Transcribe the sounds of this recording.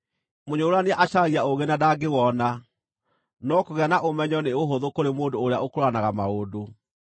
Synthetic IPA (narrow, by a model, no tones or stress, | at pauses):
moɲooɾanaʔaʃaɣiaoɣenadaɡewɔna | nɔkoɣɛnaʔomɛɲɔneoɦoðokoɾemoːndoːɾeaokoɾoanaɣamaodo